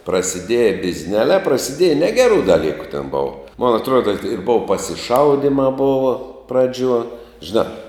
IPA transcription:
prɐsʲɪˈdʲiɛjɛ bʲɪzʲˈnʲæːlʲæː prɐsʲɪˈdʲiɛjɛ ˈnʲæːɡʲɛruː dɐˈlʲiːkʊ tʲɛn ˈboːʋɐ moːn ɐtˈruɔdɐ ɪr ˈboːʋɐ pɐsʲɪˈʃɐʊdʲiːmɑː ˈboːʋɐ ˈprɑːˌd͡ʒʲuɔ ʒʲɪˈnɑː

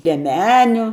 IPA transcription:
lʲiɛˈmʲæːnʲʊ

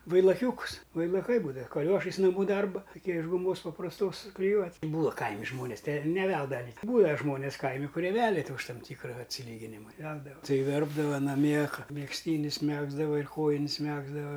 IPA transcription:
ʋɐɪlˠɐˈkʲuːkʊs ʋɐɪlˠɐˈkɐɪ ˈbuːdɐʋɐ kɐˈlʲoːʃɐɪs nɐˈmuː ˈdɐrbɐ tɐˈkʲiɛ ɪʃ ɡʊˈmoːs pɐprɐsˈtoːs sʊklʲɪˈjuɔtʲɪ ˈbuːɐ ˈkɐɪmʲɪ ˈʒmoːnʲeːs tʲɛ ɪr nʲɛˈʋʲɛlˠdɐʋɐ nʲɪ ˈbuːʋʲæː ˈʒmoːnʲɪs ˈkɐɪmʲɪ kʊˈrʲiɛ ˈʋʲæːlʲɛ tʲɪ ʊʃ ˈtɐm ˈtʲiːkrɐ ɐtʲsʲɪˈlʲiːɡʲɪnʲɪmɐ ɪ ˈʋʲɛlˠdɐʋɐ ˈtɐɪ ˈʋʲɛrbdɐʋɐ nɐˈmʲiɛ ˈkɑː mʲɛksʲˈtʲiːnʲɪs ˈmʲæːɡzdɐʋɐ ɪr ˈkoːjɪnʲs ˈmʲæːɡzdɐʋɐ

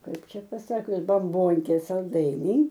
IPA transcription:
ˈkɐɪp ˈt͡ʃʲɛ pɐˈsɑːkʲʊs bɐmˈboːŋʲkʲeː sɐlˠˈdɐɪnʲɛɪ

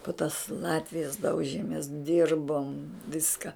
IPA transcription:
pʊ tɐs ˈlˠɑːtʲʋʲɪjɛs ˈdɐʊʒʲeːmʲeːs ˈdʲɪrboːm ˈʋʲɪskɐ

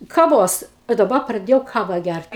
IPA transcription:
kɐˈʋoːs ɪ dɐˈbɐ prɐˈdʲeːjɛʊ ˈkɑːʋɐ ˈɡʲært

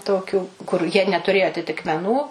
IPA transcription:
ˈtoːkʲuː kʊr jiɛ nʲɛtʊˈrʲeːjoː ɐtʲɪtʲɪkmʲɛˈnuː

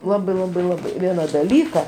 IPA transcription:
ˈlˠɑːbɐɪ ˈlˠɑːbɐɪ ˈlˠɑːbɐɪ ˈʋʲiɛnɐ dɐˈlʲiːkɐ

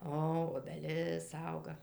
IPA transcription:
ˈoː oːbʲɛˈlʲɪs ˈɐʊɡɐ

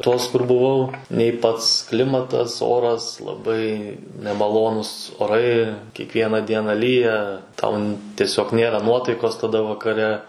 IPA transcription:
ˈtoːs kʊr bʊˈʋɐʊ nʲɛɪ ˈpɐts ˈklʲɪmɐtɐs ˈoːrɐs lˠɐˈbɐɪ nʲɛmɐˈlˠoːnʊs oːˈrɐɪ kʲiɛkˈʋʲiɛnɐ ˈdʲiɛnɐ ˈlʲiːjɛ tɐʊ n ˈtʲiɛsʲoːk ˈnʲeːrɐ ˈnuɔtɐɪkoːs tɐˈdɐ ʋɐkɐˈrʲɛ

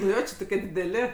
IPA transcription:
nʊ ˈjoː ˈt͡ʃʲɪ toːˈkʲiɛ dʲɪdʲɛˈlʲɪ

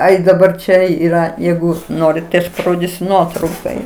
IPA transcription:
ˈɐɪ dɐˈbɐr ˈt͡ʃʲɛ ˈiːrɐ ˈjɛɪɡʊ ˈnoːrʲɪt tɐɪ ɐʃ pɐˈroːdʲiːsʲʊ ˈnuɔtrɐʊkoːj

